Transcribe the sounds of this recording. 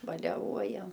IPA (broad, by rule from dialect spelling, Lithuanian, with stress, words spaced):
bɐlʲɛˈʋuɔjɛm